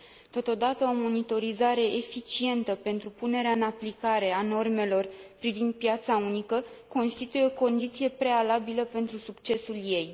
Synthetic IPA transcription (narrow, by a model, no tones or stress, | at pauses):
t̪o̞t̪o̞d̪at̪əo̞mo̞nit̪o̞ɾizaɾe̞ʔefit͡ʃie̞nt̪əpe̞nt̪ɾupune̞ɾeaɨnaplikaɾe̞ano̞rme̞lo̞rpɾivind̪̚pijat̪saunikəko̞nst̪it̪ujeoko̞nd̪it̪sije̞pɾe̞alabiləpe̞nt̪ɾusukt͡ʃe̞sulje̞j